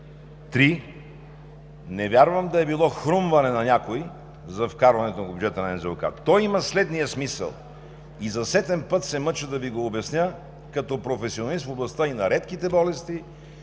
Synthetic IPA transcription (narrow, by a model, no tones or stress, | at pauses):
t̪ɾi | nɛvʲjaɾvəmd̪ɐɛbilˠɔxɾumvɐnɛnɐnʲakoi | zɐfkaɾvɐnɛt̪onɐvbʲjud͡ʒɛt̪ənɐɛnzɛlˠka̰t̪ɔjimɐslɛd̪nijəsmisə̰lˠ | izɐsɛt̪ɛmpɤt̪sɛmɤt͡ʃəd̪ɐviɡoːbɛsnʲə | kɐt̪ɔpɾofɛsionɐlist̪foblˠɐst̪əinɐɾɛt̪kit̪ɛbɔlɛst̪i